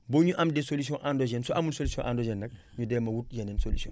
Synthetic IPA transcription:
boɲuʔamdesolis̬iõʔandod͡ʒɛnsoʔamunsolisiõʔandod͡ʒɛnːɐk̚ | ɲudɛːmɐwut̚jɐnensolisiõ̰

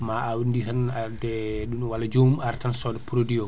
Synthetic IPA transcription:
maawinditanadɛɗunwalad͡ʒomuaɾtansɔdɛpuɾodiɔ

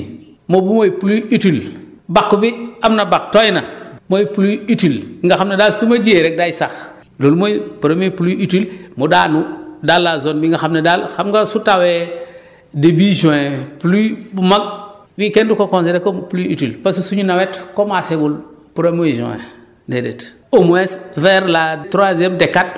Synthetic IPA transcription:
mobumojipuluitilbakːubiamnabak̚tojinamojipuluitilŋɡaxamnadalsumad͡ʒieɾek̚dajisax | lolmojipuɾomopuluitilmudanudalːazonbiŋɡaxamnedalxamɡasutawe | debiʒõepulubumaɡ̚ | bikendukokõnsedekompuluitilpasusuɲinawetkomaseɡulpuɾomoiʒõ̰jḛ | dedet | omuesveɾlatuɾazemdekːat̚

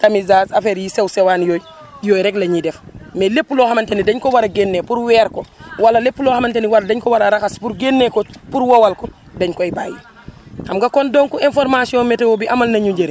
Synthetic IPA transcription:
tamizaːzafeɾjisewsewaːnjoːj | joːjɾɛklɐɲidefmelepːulohamɐntenidɛɲkɔwaɾaɡenːepuɾwɛːɾkɔwalːɐlepːuloːhamanteniwaldɛɲkɔwaɾaɾaxaspuɾɡenːekɔpuɾwowalkɔ | dɛɲkɔibaːjṵ | amɡakondoŋkuenfɔɾmasiɔːnmetewobiʔɐmɐlnɐɲuɲɟeɾi

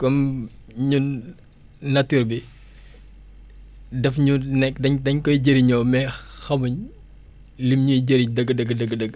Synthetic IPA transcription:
kɔmɲun | nɐtːiɾbi | dɛfɲunɛkːdɐɲdɐɲkɔjɟəɾiɲɔːmɛxɐmuɲ | limɲujɟəɾiɲdɐɡːədɐɡədɐɡədɐɡ

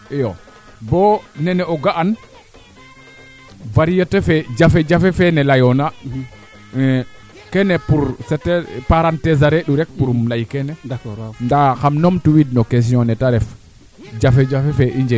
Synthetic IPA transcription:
ɛjɔ | bɔnɛnɛɔɡaʔan | vaɾijatɛfɛd͡ʒafɛd͡ʒafɛfɛnɛlajɔna | kɛnɛpuɾsɛtɛpaɾantɛzaɾɛɗuɾɛk̚puɾmlajkɛnɛndaxamnɔmtuwidnɔkes̬iɔnɛtaɾɛf | d͡ʒafɛd͡ʒafɛfɛʔiɲd͡ʒɛ

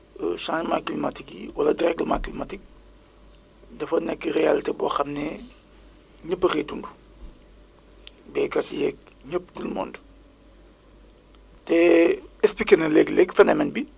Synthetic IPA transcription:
ə̰ʃãːnmaːklimatikjḭwɐlɐdiɾɛk̚dəma̰ːklimatik̚ | dɐfɐnɛkːərealitebɔxɐmnɛ | ɲəpːəreːtundu | bɛːkɐtjɛːk̚ | ɲəpːtulmɔ̰ːnd | tɛɛsplikenɐlɛɡlɛkfɛnɐmɛnbi

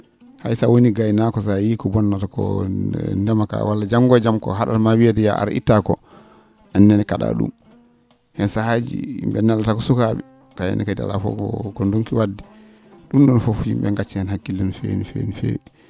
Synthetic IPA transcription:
hajsawoniɡajnakɔs̬ajikɔbɔnːatakɔ̰ | ndɛmaka̰walːad͡ʒaŋɡɔd͡ʒamkɔ̰ɦaɗa̰tmawiadɛja̰ʔa̰ɾʔḭtːakɔ | ʔanːɛnɛkaɗa̰ɗṵm | hɛnsahad͡ʒḭmbɛnalːatakɔsukaɓɛ | kajɛ̰nɛkada̰la̰fɔ̰ɔkɔnduŋkiwadːɛ | ɗumɗɔnfofd͡ʒḭmbɛŋɡat͡ʃːihɛnhakːilɛnfḛnifenifḛ

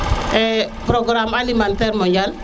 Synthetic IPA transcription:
ɛpɾɔɡɾamalimant̪ɛɾmɔɲd͡ʒal

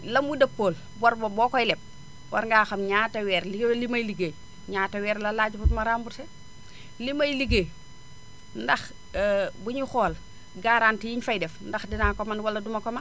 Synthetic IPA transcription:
lɐmudɐpːoːl | bɔɾbobɔːkɔjlɛp̚ | wɐ̰ɾŋɡaːxɐmɲaːtɐwɛːɾliɡlimɐjliɡe | ɲaːtɐwɛːɾlɐlaːɟufutmɐɾaːmbuɾse | limɐjliɡe | ndɐx | buɲixɔːl | ɡaɾantijiɲfɐjdɛfndɐxdinaŋkɔmɐnwɐlːɐdumɐkɔmɐ

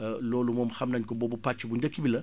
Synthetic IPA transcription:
loːlumɔmxɐmnɐɲkɔbobupat͡ʃːibuɲd͡ʒɐkːibilɐ

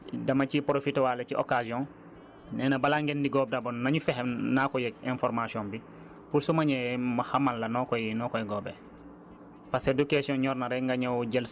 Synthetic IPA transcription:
dɐmacipɾofitwalɐciʔo̰kaziɔ̃n | nɛnɐbalaŋɡendiɡɔb̚dabonnɐɲufɛɦemnakɔjɛɛ̃nfɔɾmasiɔ̃mbi | pulsumaɲɛmaxamalːɐnɔkɔjinɔkɔjɛɡɔːbe | pasedukesiɔ̃nɲɔɾnaɾɛŋɡaɲawɟɛl

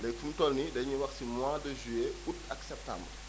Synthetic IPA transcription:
dɛjfumtɔlnidɛɲiwɐxsimwadəʒyɛutɐksɛp̚tã̰mbr

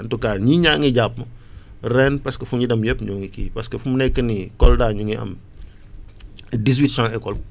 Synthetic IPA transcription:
ntukaːɲiɲaːŋiɟap̚mɐ | rɛnpɐskɐfuɲidɐmjəpːɲɔːŋikḭːpɐskɐfumnɛkːənikɔldaːɲuŋiɐ̰m | dis̬witsãŋɛkɔl

